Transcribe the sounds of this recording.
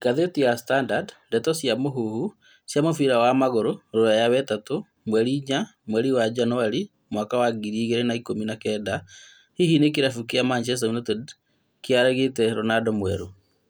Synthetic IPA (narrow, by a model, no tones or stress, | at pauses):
kaðetijastandadndɛtɔsjamoɦuhu | sjamofiɾawamaɣoɾoɾoajawɛtato | mwɛɾiɲamwɛɾiwad͡ʒanɔaɾi | mwakawaɡiɾiɣeɾenaikominakɛːda | hihinek̬eɾafukiamant͡ʃɛs̬taunotɛd | keaɾɛɣetɛɾonadɔmwɛɾo